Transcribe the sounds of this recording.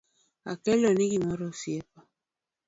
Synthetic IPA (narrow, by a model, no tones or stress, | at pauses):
a̰kɛlɔnikimɔɾɔsiɛpa